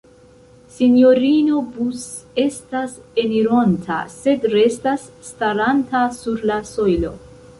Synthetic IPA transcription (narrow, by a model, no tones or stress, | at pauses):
sinjo̞ɾino̞bus | e̞stase̞niɾo̞ntʰa̰se̞dɾe̞stasːtaɾantasuɾlaso̞jlo̞